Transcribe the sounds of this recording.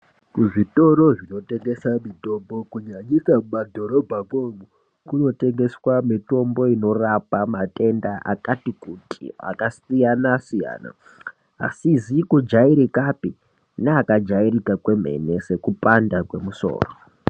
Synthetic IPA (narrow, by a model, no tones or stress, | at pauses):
kuʐito̞ɾo̞ʐino̞te̞ŋɡe̞samito̞mbo̞kuɲaɲisamadʱo̞ɾo̞bʱakomu | kuno̞te̞ŋɡe̞swamito̞mbo̞ino̞rapamate̞ndaʔa̰katikutʰḭa̰kasijanasija̰ːna̰ | a̰sizikud͡ʒaiɾikapi | naːkad͡ʒairikakwe̞m̤e̞̰ne̞se̞kupandakwe̞muso̰ːro